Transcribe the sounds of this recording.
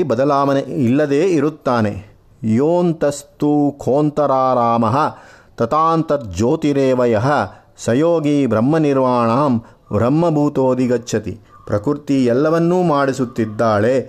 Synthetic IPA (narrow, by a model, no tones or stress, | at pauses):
ibɐd̪ɐlaːʋɐneilːɐd̪eːiɾut̪ːaːnḛ | joːnt̪ɐst̪ukʰoːnt̪ɐɾaːɾaːmɐɦɐ̆t̪ɐt̪aːnt̪ɐt̪̚d͡ʒoːt̪iɾeːʋɐjɐɦɐ | sɐjoːɡibɾɐmːɐniɾʋaːɳaːm | bɾɐmːɐbʱuːt̪oːd̪iɡɐt͡ʃːʃʰɐt̪ḭpɾɐkuɾt̪iɛlːɐʋɐnːuːmaːɽisut̪ːid̪ːaːɭe